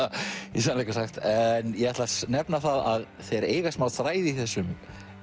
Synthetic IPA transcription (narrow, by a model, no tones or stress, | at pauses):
jɛsaðnlejkasaxt̪ɛnjɛɣɛht̪lasnɛpnaθaðað | θeɾeːjɣasmawθɾaːjðɪiθɛsːʏm